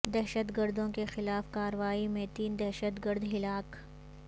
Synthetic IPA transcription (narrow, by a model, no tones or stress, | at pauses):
d̪ɛɦʃət̪ɡəɾd̪õkexɪlaːfkaːɾəʋaːimẽt̪iːnd̪ɛɦʃət̪ɡəɾd̪ɦɪlaːk